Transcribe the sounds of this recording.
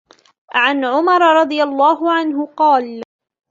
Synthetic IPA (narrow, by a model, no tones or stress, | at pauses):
ʕanʕʊmɑɾˤɾˤɑd̪ˤɨjalˤːɑːɦʊʕanɦʊqɑːl